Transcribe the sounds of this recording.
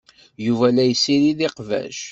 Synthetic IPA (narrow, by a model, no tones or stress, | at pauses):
juvælæjəsːiɾiðɪqvæ̰ʃ